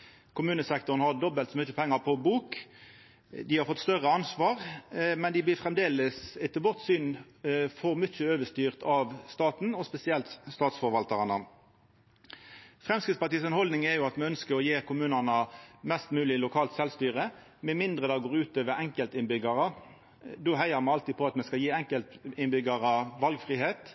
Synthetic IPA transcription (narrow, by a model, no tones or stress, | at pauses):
kʰʊmʉːnəsɛkt̪ʊʁnhɑd̪ɔbəlt̪sɔmʏt͡ʃəpʰɛŋːəpʰɔbuːk | d̪ɪhɑɾfɔt̪ːst̪œʁəɑnsʋɑːʁmɛnd̪ɪblɪfʁɛmd̪eːləsɪt̪əbɔʁt̪syːn | fɔʁmʏt͡ʃːəøːʋəst̪yːʁt̪ɑʋst̪ɑːt̪n̩ɔspɛsɪɛlt̪st̪ɑːt̪sfɔɾʋɑlt̪ɑʁɑnə | fʁɛmskʁɪt̪spɑt̪iːsɑnhɔld̪nɪŋɛjʊɑt̪mɛœnskəʁɔjeːʁkʰʊmʉːnɑnəmɛst̪mʉːlɪlʊkʰɑːlt̪sɛlst̪yːʁə | mɛmɪnd̪ʁəd̪ɑːɡoːʁʉːt̪øːʋəɾɛŋkəlt̪ɪnbʏɡɑʁə | d̪oːɦæɪəʁmɛɑlt̪iːpʰɔɑt̪mɛskɑjiːɛŋkəlt̪ɪnbʏɡɑɾɑʋɑlɡfʁiːɦeːt̪